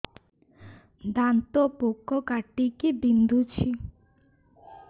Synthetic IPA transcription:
d̪ant̪ɔpokʰːɔkaʈikibind̪ut͡ʃʰi

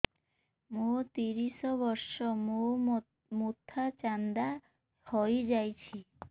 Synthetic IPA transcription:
mot̪iɾisɔβɔɾsɔmo | mut̪ʰːat͡ʃand̪a | hojd͡ʒajt͡ʃʰi

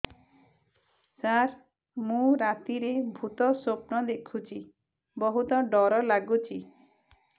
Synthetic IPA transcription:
saɾ | mũɾat̪iɾebʱut̪ɔsopnɔd̪ekʰut͡ʃʰi | bɔɦut̪ɔɖɔɾɔlaɡut͡ʃʰi

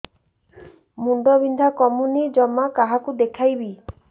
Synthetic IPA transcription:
muɳɖɔbind̪ʱakɔmunid͡ʒɔmːakaɦakud̪ekʰajbi

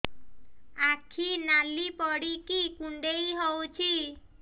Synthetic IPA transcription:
akʰinalipɔɽikikuɳɖejɦɔwt͡ʃʰi

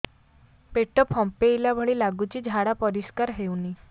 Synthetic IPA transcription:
peʈɔpʰɔmpejlabʱɔɭilaɡut͡ɕid͡ʒʱaɽapɔɾiskaɾɦewni

